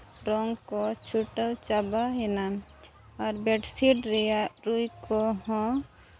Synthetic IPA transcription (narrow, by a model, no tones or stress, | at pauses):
ɾɔŋɡkot͡ʃʰuʈəwt͡ʃabaɦina | ɔɾbeʈsiɖɾɛjaɾujkoɦɔ̃